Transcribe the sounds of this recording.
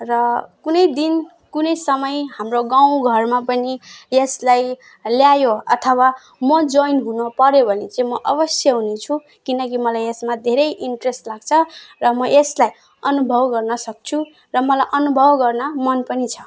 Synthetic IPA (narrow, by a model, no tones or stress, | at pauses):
rʌkunʌjd̪in | kunʌjsʌmʌjɦamroɡãw̃ɡʱʌrmapʌnijeslaj | ljajoʌt̪ʰʌwa | mʌd͡zojnɦunʌpʌɾjobʱʌnet͡saĩmʌʔʌbʌsjʌɦunet͡sʰu | kinʌk̬imʌlajesmad̪ʱeɾʌjʔiɳʈresʈlaɡt͡sʰʌrʌmʌʔeslaj | ʌnubʱʌwɡʌrnʌsʌk̚t͡sʰu | rʌmʌlajʔʌnubʱʌwɡʌrnamʌnpʌnit͡sʰʌ̥